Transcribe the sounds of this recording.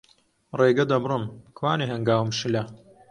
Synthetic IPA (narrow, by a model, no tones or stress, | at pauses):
reːɡɐd̪ɐbrɨmkwaːneɦɐŋɡaːwɨmʃɨlɐ